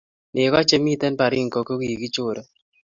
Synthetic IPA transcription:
nɪ˨kɔ˦t͡ʃe˦mi˦t̪ɛ˦npa˨ɾɪ˦ŋ˨ko˨ko˦ɡi˨i˨ɡi˦t͡ʃʊ˦ɾo˨

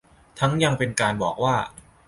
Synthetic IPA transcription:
t̪ʰa˦˥ŋja˧ŋpe˧nkaː˧nbɔ̰ː˨˩k̚waː˥˩

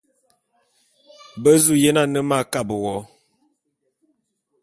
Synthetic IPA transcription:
bə˦zu˦je˦na˦˨nə˦ma˦˨ka˦˨bə˨wɔ˨˦

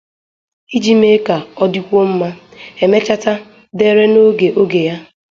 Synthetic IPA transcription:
i˦d͡ʒi˦me˦ka˨ɔ˦di˦kʷo˦m̩˦ma˦e˨me˦t͡ʃa˦ta˦ | de˦ɾe˦no˦ɡe˨ʔo˦ɡe˨ja˦

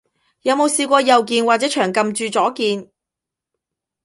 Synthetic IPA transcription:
jɐ˨˧wmo˨˧wsiː˧kʷɔː˧jɐ˨wkiː˨˧nwaː˨t̚t͡sɛː˨˥t͡ʃʰœː˨˩ŋkɐ˨mt͡ʃyː˨˧t͡sɔː˨˥kiː˧n

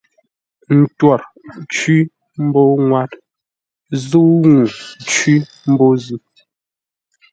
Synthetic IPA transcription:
n̩˨twɔ˨ɾ | t͡ʃwi˦ | m̩˦bo˦ŋwa˦t | zu˦ŋu˨t͡ʃwi˦ | m̩˦bo˦zi˨

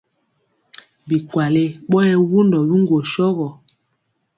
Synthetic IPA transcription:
bi˨kwa˨le˦ɓɔ˦jɛ˦wu˦ndɔ˨bi˦ŋɡwo˨ʃɔ˦ɣɔ˨

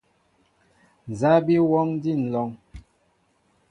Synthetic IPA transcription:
n˨za˦bi˦wɔ˦ŋ˦di˦˨n̩˨lɔ˨˦ŋ

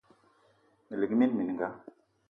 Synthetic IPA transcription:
li˨kni˦nmi˨n˨ŋɡa˦

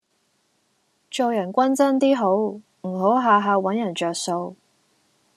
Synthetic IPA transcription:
t͡ʃo˨wjɐ˨˩nkʷɐ˥nt͡sɐ˥nt̪iː˥ɦo˨˥w | m̩˨˩ɦo˨˥wɦaː˨˧ɦaː˨˧wɐ˨˥njɐ˨˩nt͡ʃœː˨k̚so˧w

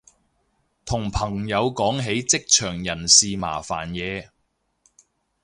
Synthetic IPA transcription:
t̪ʰʊ˨˩ŋpʰɐ˨˩ŋjɐ˨˧wkɔː˨˥ŋɦe˨˥jt͡sɪ˥k̚t͡ʃʰœː˨˩ŋjɐ˨˩nsiː˨˧ma̰ː˨˩fa̰ː˨˩njɛː˨˧

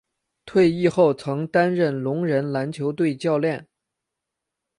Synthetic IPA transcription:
t̪ʰwe˥˧ɪi˥˧xo˥˩ʊt͡sʰɤ˧˥ŋt̪a˥nɻə˥˩nlʊ˧˥ŋɻə˧˥nla˧˥nt͡ɕʰjo˧˥ʊt̪̬we˥˧ɪt͡ɕjɑ˥˧ʊljɛ˥˩n

